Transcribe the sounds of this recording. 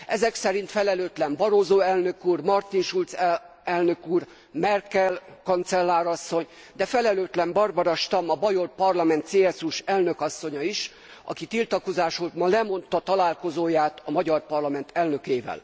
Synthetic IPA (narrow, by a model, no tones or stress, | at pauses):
ʔɛzɛksɛɾint̪fɛlɛløːt̪lɛmbɒɾoːzoːɛlnø̞kuːrmɒrt̪inʃult̪s | ɛlnøkuːr | mɛrkɛlkɒnt̪sɛlːaːɾɒsːo̞ɲ | d̪ɛfɛlɛløːt̪lɛmbɒrbɒɾɒʃt̪ɒmɒbɒjorpɒrlɒmɛnt̪seːɛsuʃɛlnøkɒsːo̞ɲɒiʃ | ɒ̰kit̪ilt̪ɒko̞zaːʃolt̪mɒlɛmo̞nt̪ɒt̪ɒlaːlko̞zoːjaːt̪ɒmɒɟɒrpɒrlɒmɛnt̪ʰɛlnø̞keːvɛ̰l